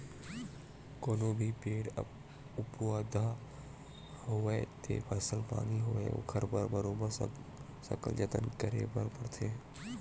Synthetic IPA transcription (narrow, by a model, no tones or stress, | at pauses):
koːnoːbʱipeːɽə̰ | ʊpwaːd̪a | hoʋeːt̪ḛːpʰəsəlpa̰ːniɦoʋeo̰kʰəɾbəɾbəɾoːbəɾ | sɐ̰kə̰ld͡ʒət̪ə̰nkəɾḛbəɾpəɽt̪ʰeː